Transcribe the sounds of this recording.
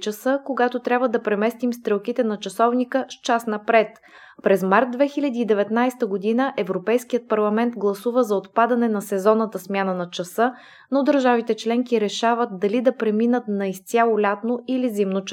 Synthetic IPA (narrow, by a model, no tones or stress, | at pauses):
t͡ʃəsɤkoɡat̪ot̪ɾʲabvəd̪ɐpɾɛmɛst̪imst̪ɾɛlˠkit̪ɛnɐt͡ʃɐsɔvnikəst͡ʃasn̪ɐpɾɛt̪ | pɾɛzmaɾt̪̚d̪vɛxilʲɐd̪iːd̪ɛvɛt̪najst̪əɡod̪inəʔɛvɾopɛjsk̟ijət̪̚pɐɾlˠɐmɛnt̪ɡlˠɐsuvəzɐot̪pad̪ɐnɛnɐsɛzɔnət̪ɐsmʲjanənɐt͡ʃɐsɤ | nod̪əɾʒavit̪ɛt͡ʃlɛŋkiɾɛʃavət̪̚d̪ɐlid̪ɐpɾɛminət̪nɐist̪ʲjalˠolʲat̪noilizimnot͡ʃ